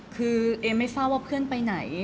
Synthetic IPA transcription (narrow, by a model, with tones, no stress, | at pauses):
kʰɯː˧ʔeː˧mːa˥˩jfaː˥˩waː˥˩pʰɯ˥˩ənpa˧jna˩˦j